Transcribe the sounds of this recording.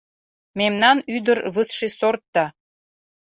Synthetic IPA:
memnɑnyd̪ərβəsʃesort̪ːɑ

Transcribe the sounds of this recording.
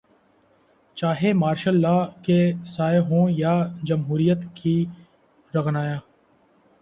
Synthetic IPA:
t͡ʃaːɦeːmaːɾʃəlːaːkeːsaːɪɦõːjaːd͡ʒəmɦuːɾijət̪kʰiː | ɾəɣnaːjaː

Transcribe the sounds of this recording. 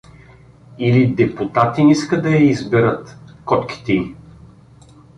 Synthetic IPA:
ilid̪ɛput̪at̪iniskəd̪ɐjɐizbɛɾət̪kɔt̪kʲi̥t̪ɛi

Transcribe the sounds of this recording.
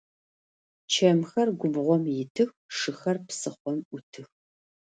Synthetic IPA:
t͡ʃʰɐmxɐrɡʷʊbʁʷɔmjɪtʰɨx | ʂɨxɐrpsɨχʷɔmʔʷʊtʰɨx

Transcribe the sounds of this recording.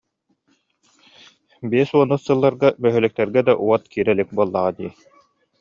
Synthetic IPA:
biɛsuɔnːɯsɯlˠːaɾɡamœɦœlœk̚t̪ɛɾɡɛd̪aʔuɔt̪kiːɾɛlik̚buɔlˠːaʁad̪iː

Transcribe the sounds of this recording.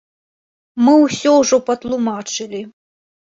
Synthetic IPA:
mɨwsʲɔwʐɔpɐt̪lˠumat͡ʂɨlʲi

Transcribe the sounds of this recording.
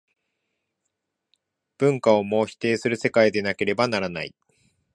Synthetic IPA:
b̥ɯ̟̃ŋkao̞mo̞ːçi̥t̪e̞ːsɨɾɯ̟se̞kaid̪e̞nake̞ɾe̞banaɾana̰ḭ

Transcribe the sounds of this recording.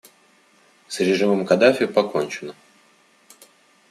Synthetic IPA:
sɾʲɪʐɨməmkɐd̪afʲɪʊpɐko̞nʲt͡ɕɪnə

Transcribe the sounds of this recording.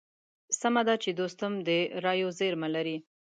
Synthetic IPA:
samad̪at͡ʃed̪ost̪ʊmd̪əɾɑjozeɾmalaɾi

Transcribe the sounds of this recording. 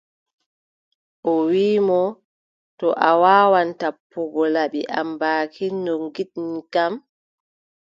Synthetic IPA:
ʔɔwiːmɔ | tɔʔawaːwantapːuɡɔlaɓiʔa̰mbaːkʰindɔŋɡiɗnkam

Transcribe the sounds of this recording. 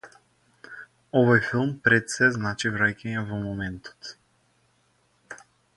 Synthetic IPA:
ɔvojfilˠmpɾɛt̪sɛznat͡ʃivɾajkʲɛɲɛvɔmɔmɛnt̪o̥t̪

